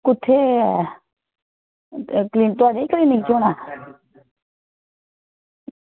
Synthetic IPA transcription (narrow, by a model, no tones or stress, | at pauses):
kut̪ʰːe | klint̪uanekliniŋt͡ʃona